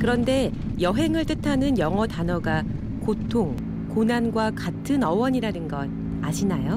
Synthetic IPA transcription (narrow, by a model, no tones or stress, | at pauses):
kɯɾʌnde̞ | jʌɦe̞ŋɯɭt͈ɯtʰanɯnjʌŋʌtanʌɡa | kotʰoŋ | konanɡwakatʰɯnʌwʌɲiɾanɯnɡʌn̚ | aɕʰinajo